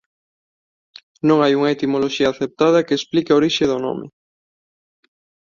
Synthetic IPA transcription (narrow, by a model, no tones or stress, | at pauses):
nõŋajuŋaet̪imoloʃiɐaːθep̚t̪að̞ɐkeːsplikeoɾiʃeðono̰mɪ̰